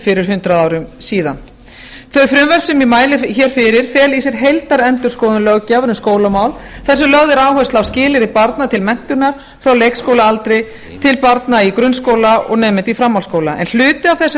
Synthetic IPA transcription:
fɪɾɪɾ̥ɦʏnt̪ɾaðaːwɾʏmsiːðan | θœɥfɾʏmvɛr̥psɛmimaːjlɪçɛːɾ̥fɪɾɪɾ̥fɛːlis̬jɛɾ̥ɦejlt̪aɾɛnt̪ʏɾ̥skowðʏlœɣcawvɛɾʏmskoːwlamaːwlθɛsʏmlœɣðɪɾaːwɦœst̪lawscɪːlɪɾɪpaɾt̪nat̪ʰɪlmɛn̥t̪ʏɾnaɾ̥ | θɾawlejkskowlaalt̪ɾɪ | t̪ʰɪlpaɾt̪naikɾʏnskoːwlaɔ̰ɣnɛːmɪnt̪ifɾamːawlskoːwlaʔɛ̰nl̥ʏːt̪ɪavθɛsː

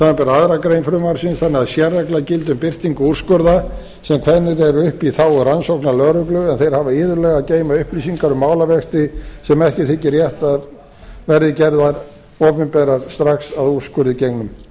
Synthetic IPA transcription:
θamapɛɾaaðɾakɾejnfɾʏmaɾ̥sinθanːɪaðsjɛrːaklacɪlt̪ʏmpɪr̥t̪iŋkʏur̥skʏɾða | sɛmkʰvɛnːɪɾɛɾʏhpiθawransowhknalœɾʏklʏɛnθejɾ̥havaɪːðʏlɛɣaceːjmaʏhpɾisiŋkaɾʏmːaːwlavɛst̪ɪsɛmɛhcɪθɪcɪrjɛht̪aɾ | vɛɾðɪcɛɾðaɾ | ɔːpɪmpɛːɾaɾ̥st̪ɾaxsaður̥skʏɾðɪcejknʏm

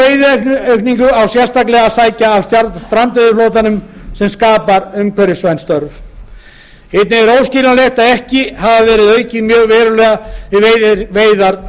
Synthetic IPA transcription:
ejðɪeknœɥkniŋkʏawsjɛrst̪aklɛɣasaːjcaːvst̪jaɾt̪t̪ɾant̪ɪðɪfloːwt̪anʏmsɛmskaːpaɾʏmkʰvɛɾɪsvajnst̪œɾv | et̪nɪɛɾowsciːlaleht̪aðɛhcɪhavavɛːɾɪðœːɥcɪmjœːɣvɛːɾʏlɛːɣaɪeveːjðaɾ

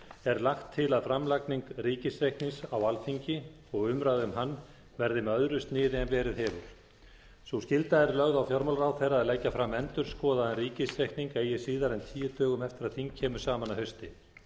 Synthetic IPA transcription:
ɛɾlaxt̪ʰːɪlaðfɾamlakniŋkriːcɪsɾejhkt̪ninsawalfiɲcɪ | ɔɣʏmɾaɣðʏmɦanː | vɛɾðɪmɛœðɾʏst̪nɪːðɪɛnvɛːɾɪðɦɛːvʏɾ̥ | suscɪlt̪aðɛɾlœɣðawfjɔɾmɔlraːwθejrːaːðlɛjcːafɾamːɛnt̪ʏɾ̥skɔːðaðɛnriːcɪsɾehk̪niŋkeːjɪsiːðaɾɛnt̪ʰiːjɪt̪œːɣʏmɛft̪ɪɾaðθiŋcʰɛːmʏ̥saːmanaɦœɥst̪ɪ

